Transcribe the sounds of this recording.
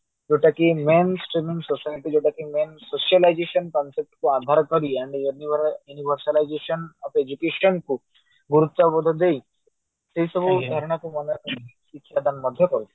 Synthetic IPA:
d͡ʒeʈakimensʈɾimĩŋɡsosajʈid͡ʒoʈakimensoʃiəlajd͡ʒeʃənkɔnsep̚ʈkuad̪ʱaɾkəɾiaɳɖiuniʋəɾuniʋəɾsəlajd͡ʒeʃənɔped͡ʒukeʃənku | ɡuɾut̪ːabɔd̪ʱɔd̪ei | seisɔbʱud̪ʱəɾɳ̃akumɔnək̪ | itːʃʰad̪anmɔd̪ʱjəkɔɾu

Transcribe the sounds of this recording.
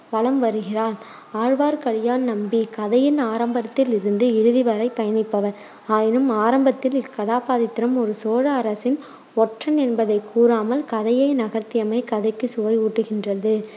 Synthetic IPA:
ʋɐɭɐmʋɐɾɯɣɪraːl | aːɻʋaːɾkɐɻɪjaːnnɐmbikɐðɐjɪnaːɾɐmbɐɾɐt̪ːɪlɪɾɯnd̪ɯɪɾɯðɪʋɐɾɐɪpːɐjɐnɪpːɐʋɐɾ | aːjɪnɯmaːɾɐmbɐt̪ːɪlɪkːɐðaːpaːðɪt̪ɪɾɐmɔɾɯsoːɻɐːɾɐsɪn | ɔʈrɐnɛnbɐðɐɪkːuːɾaːmɐlkɐðɐjɐɪnɐɣɐɾt̪ɪjɐmɐɪkɐðɐɪkːɯsʊʋɐɪuːʈːɯɣɪndrɐðɯ

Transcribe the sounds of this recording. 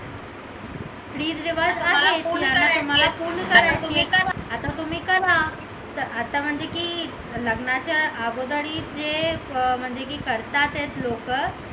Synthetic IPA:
pɽiːdʋiʋad͡zaɦet̪iaat̪um̤alafuːnkəɾat̪ueəaat̪at̪um̤iːkəla | t̪əat̪am̤əɳd͡zekiː | ləɡnat͡ɕaaɡod̪əɽiːd͡ʑem̤əɳd͡zek̬iːkəɾt̪at̪et̪lok

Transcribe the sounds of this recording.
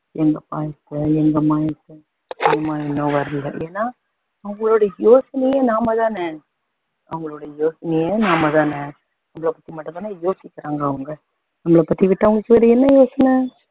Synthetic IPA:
ɛŋɡɐpaːjɐt̪ːɯɛŋɡɐmaːjɐt̪ːɯ | ɛŋɡɐmaːjɪnːõːʋɐɾɯlɐʔeːnːaː | ɐʋɐŋɡɐɭoːɽɐjoːsɐnɐjeːnaːmɐt̪ãːneː | ʔɐ̰ʋɐŋɡɐɭoːɽɐjoːsɐnɐjẽnaːmɐt̪ãːnɛː | nɐmːɐɭɐpɐt̪ːimɐʈːɯmɐnaːjoːsɪkːɪɾaːŋɡɐːʋɐŋɡɐ | nɐmːɐɭɐpɐt̪ːiʋɪʈːɐʋɐŋɡɐkːɯʋɐɾɐɛnːɐjoːsɐnɐ

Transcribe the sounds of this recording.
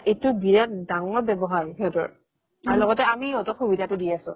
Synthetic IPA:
ejtʊbiɹatdaŋɔɹbɛbɔɦajɦetɔ̰ɹ | aɹulɔɡɔtɛamiɔtɔxubidʱatʊdiasʊ̰̃

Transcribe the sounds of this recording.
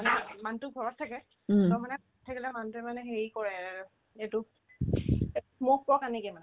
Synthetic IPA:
manɛmantʊɡʱɔɹɔtʰːakɛ | tɔmanɛbɔttʰakilɛmantɛmanɛxeɹikɔɹɛ | etʊ | mokkɔkanikɛmanɛ

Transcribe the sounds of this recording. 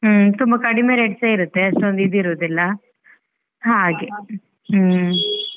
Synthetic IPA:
t̪umbɐkɐɽimeːɾeːʈseːiɾut̪ːeɐʂʈond̪id̪iɾuʋːd̪ilːɐ | ɦaːɡe

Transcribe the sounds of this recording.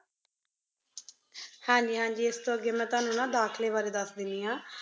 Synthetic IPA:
hãːɲd͡ʒiːɦãːɲd͡ʒiːɪst̪õːəɡːeːmɛ̃ːt̪ʊaːnũːnãːd̪aːkʰleːʋaːɾeːd̪əsd̪ɪnd̪iːãː

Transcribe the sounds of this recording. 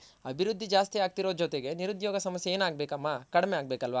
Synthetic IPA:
ɐbʱiɾud̪ʱːid͡ʒaːst̪iaːɡ̚t̪iɾo̞ːd͡ʒot̪eɡe̞niɾud̪joːɡɐsɐmɐsjeeːnaːɡ̚beːkɐmːakɐɽmeaːɡ̚beːkɐlʋaː

